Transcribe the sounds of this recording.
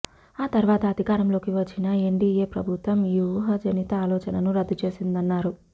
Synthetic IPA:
aːt̪ɐɾʋaːt̪ɐːd̪ʱikaːɾɐmlo̞ːkiʋɐt͡ʃːinɐe̞ɳɖiːjeːpɾɐ̰bʱut̪ʋɐmjuːɦɐd͡ʒɐnit̪ɐaːlɔːt͡ʃɐnɐnuɾɐd̪ːut͡ʃe̞ːsind̪ɐnːaːɾu

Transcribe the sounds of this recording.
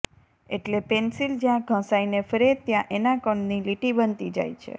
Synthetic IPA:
eʈlepensild͡ʒjãɡʱə̃sainefəɾet̪jãʔenakəɳniliʈibənt̪id͡ʒa̰jt͡ʃʰḛ

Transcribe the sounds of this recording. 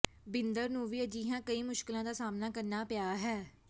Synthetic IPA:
bɪnd̪əɾnũːʋiːəd͡ʒiːɦãːkəiːmʊʃkɪlãːd̪aːsaːmnaːkəɾnaːpɪjaːɦɛː

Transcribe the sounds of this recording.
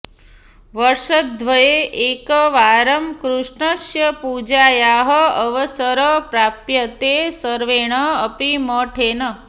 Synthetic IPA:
ʋəɾʂət̪̚d̪ʱʋəjeʔekəʋaːɾəmkɾuʂɳəʃjəpud͡ʒaːjaɦəəʋəsəɾəpɾaːpjət̪esəɾʋeːɽ̃əːpiməːʈʰenə

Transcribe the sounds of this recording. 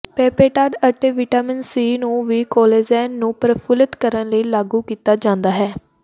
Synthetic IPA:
pɛːpeːʈaːɖəʈeːʋɪʈaːmɪnsiːnũːʋiːkɔːleːd͡ʒɛːnːũːpɾəpʰʊlət̪kəɾənləiːlaːɡuːkiːt̪aːd͡ʒãːnd̪aːɦɛː

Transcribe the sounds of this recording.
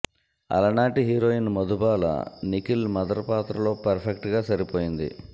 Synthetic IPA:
ɐ̰lɐnaːʈiɦiːɾoːjinmɐd̪ubaːlɐ̰nikilmɐd̪ɐɾɐpaːt̪ɾɐlo̞ːpɐɾpʰekʈɡaːsɐɾipoːjind̪ḭ

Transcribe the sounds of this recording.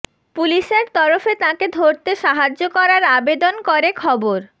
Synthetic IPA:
puliʃeɾt̪ɔɾofet̪ãked̪ʱoɾt̪eʃaɦad͡ʑːokɔɾaɾabed̪onkoɾekʰɔboɾ

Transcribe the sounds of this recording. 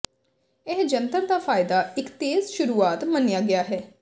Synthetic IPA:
ɪɦd͡ʒənt̪əɾd̪aːfʰaːɪd̪aːɪkt̪eːzʃʊɾuːaːt̪mənijaːɡɪjaːɦɛː

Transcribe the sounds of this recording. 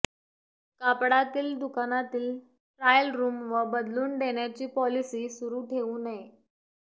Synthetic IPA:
kapɽat̪iːld̪ukanat̪iːl | ʈɾajəlɾuːmʋəbəd̪luːnɖ̪eɳjat͡ɕiːpɔlisiːsuɾuːʈʰeʋũːnae

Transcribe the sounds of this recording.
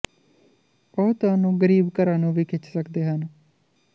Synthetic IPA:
bɔːt̪aːnũːɡəɾiːbkəɾãːnũːʋiːkʰɪt͡ʃsəkd̪eːɦən

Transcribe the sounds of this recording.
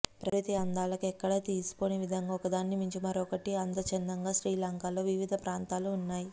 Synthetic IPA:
pɾɐʋɐt̪iɐnd̪aːlɐkuɛkːɐɽɐt̪iːsu̥koneːʋid̪ʱɐŋɡaːɔkɐd̪aːnːimiɲt͡ʃimɐɾɔːkɐʈiɐnd̪ɐt͡ʃɛnd̪ɐŋɡaːʃɾiːlaːŋkaːlo̞ːʋiʋid̪ʱɐpɾaːnt̪aːluːnːaːji

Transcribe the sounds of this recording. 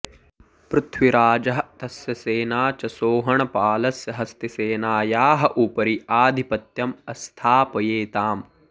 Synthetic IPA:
pɾʊt̪ʰʋiɾaːd͡ʒɐɦɐ̆t̪ɐsjɐseːnaːt͡ʃɐsoːɦɐɳɐpaːlɐsjɐɦɐst̪eseːnaːjaːɦɐ̆ʔupɐɾiaːd̪ʱipɐt̪jɐmɐst̪ʰaːpɐjeːt̪aːm

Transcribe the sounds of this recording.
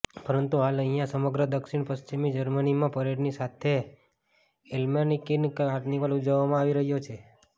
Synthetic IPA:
pəɾənt̪uɦaləɦijãsəməɡɾəd̪əkʃiɳpəst͡ʃimid͡ʒəɾmənimãpəɾeɽnisat̪ʰe | elmanikːinkaʈniʋalud͡ʒəʋːamãaʋiɾəɦjot͡ʃʰe

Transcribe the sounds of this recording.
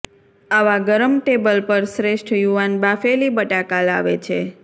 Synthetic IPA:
aʋaɡəɾəmʈebəlpəɾsɾeʃʈʰjuʋanbafelibəʈakala̰ʋet͡ʃʰe

